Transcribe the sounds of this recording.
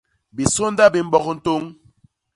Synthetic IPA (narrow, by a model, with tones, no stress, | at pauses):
bi˨so˦n˦da˦bi˨m̩˦ɓɔ˦kn̩˦to˦ŋ